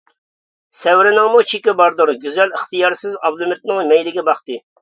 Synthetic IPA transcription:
sɛwɾɪnɨŋmut͡ʃʰikʲɪbɑɾd̪ʊɾɡʲyzɛləχt̪ɨjɑɾsɪzɑblˠɨmɪt̪̚nɨŋmɛjlɪɡʲɛbɑχt̪ɨ

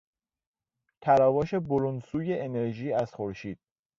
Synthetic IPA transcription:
t̪ʰæɾɒːvɒːʃe̞boɾunsuːje̞ʔene̞ɾʒiːæzxoɾʃiːd̪̥

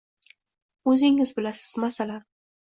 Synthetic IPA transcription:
ɵzɪŋɪzbɪlasɪ̥z̥masalan

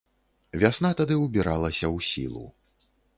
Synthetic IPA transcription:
vʲasnat̪ad̪ɨwbʲiɾalˠɐsʲɐwsʲḭlˠṵ

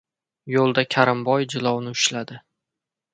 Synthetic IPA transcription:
jolˠd̪akʲʰaɾɪmbɒjd͡ʒɪlˠɒwnɪʊʃlad̪ɪ

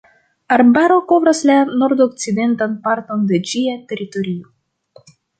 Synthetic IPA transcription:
aɾbaɾo̞ko̞vɾaslano̞ɾdok̚t͡side̞ntanpaɾto̞nde̞d͡ʒiate̞ɾito̞ɾio̞

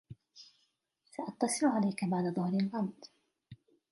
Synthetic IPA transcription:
saʔɑt̪ːɑsˤɨlʊʕalajkabaʕd̪aðˤʊhɾalɣɑmd̪

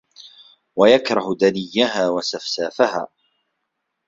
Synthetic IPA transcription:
wajakɾˤɑhd̪anɪjːaɦaːwasafsaːfaha̰ː

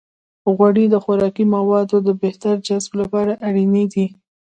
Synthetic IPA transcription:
ɣwaɽid̪əxʊɾɑkimawɑd̪od̪əbeht̪aɾd͡ʒazblapɑɾaʔaɽined̪i

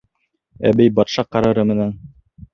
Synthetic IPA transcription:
æ̰bɘjbɑt̪ʃɑqɑɾɤ̆ɾɤmɘ̆næn

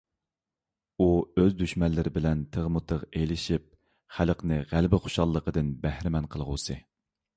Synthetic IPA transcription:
uøzd̪yʃmɛlːɪɾɪbɪlɛnt̪ʰəʁmut̪ʰəʁejlɪʃip̚ | χælqnɨʁælbɪχo̥ʃɑlˠːəqəd̪ɨnbæhɾɪmɛnqʰəlˠʁuːsɨ

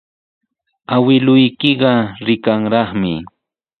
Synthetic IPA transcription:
awɪlʊjkɪɢɑɾɪkaŋɾɑχmɪ

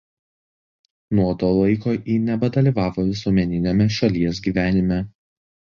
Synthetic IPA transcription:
nuɔt̪oːlˠɐɪkoːʔiːnʲɛbɐd̪ɐlʲiːˑʋɑːʋoːʋʲɪsuɔmʲɛnʲɪnʲemʲɛʃɐlʲiɛs̬ɡʲiːʋʲæːnʲɪmʲɛ

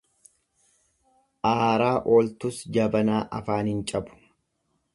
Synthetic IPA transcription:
ʔaːɾaːʔoːlt̪ʊsd͡ʒɐbɐnaːʔɐfaːnhɪnt͡ʃʼɐbʊ̥

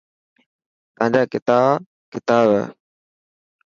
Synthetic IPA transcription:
t̪əɦãɲd͡ʑaːkɪt̪aːb | kɪt̪aːba̰ː

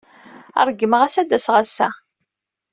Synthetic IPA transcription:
æ̰ɾˤɡːəməʁæsæd̪æsʁasːæ̰

